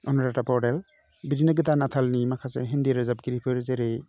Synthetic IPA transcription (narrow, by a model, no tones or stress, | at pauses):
ɔnɾatapɔɾel | biɾinɯɡɯtanatʰalnimakʰasḛɦendiɾazap̚ɡiɾipʰɯɾzeɾe